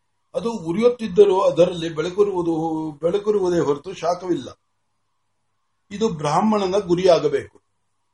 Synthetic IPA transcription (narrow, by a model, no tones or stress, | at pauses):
ɐd̪uːɾijot̪ːid̪ːɐɾoːɐd̪ɐɾɐlːibɛɭɐkuɾuʋd̪ubɛɭɐkuɾuʋud̪e̞ːɦɔɾt̪uʃaːkɐʋilːɐ | id̪ubɾaːmːɐɳɐnɐɡuɾijaːɡɐbe̞ːku̥